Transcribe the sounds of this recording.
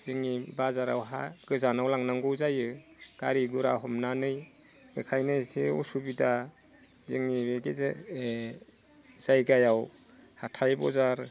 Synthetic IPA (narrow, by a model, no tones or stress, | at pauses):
z̥ɯŋibazaɾa̰wɦa̰ɡ̥ɯzanawlaŋnaŋɡɔwzajɯɡ̥a̰ɾiɡuɾa̰ɦɔmnanɯj | ɡɯkʰajnɯjsiṵsubida | zɯŋibeɡezee | z̥ajɡajaw | hatʰajbɔ̰zaɾ